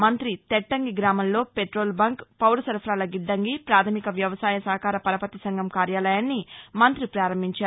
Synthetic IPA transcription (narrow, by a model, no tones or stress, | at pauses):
mɐnt̪ɾit̪ɛʈːɐŋɡiɡɾaːmɐmlo̞ːpeʈɾo̞ːlbɐŋkpɐwɾɐsɐɾpʰɾaːlɐɡiɖːɐŋɡipɾaːt̪ʰɐmikɐʋjɐʋɐsaːjɐsɐɦɐkaːɾɐpɐɾɐpɐt̪isɐŋɡʱɐmkaːɾjaːlɐjaːnːimɐnt̪ɾipɾaːɾɐmbʱiɲt͡ʃaː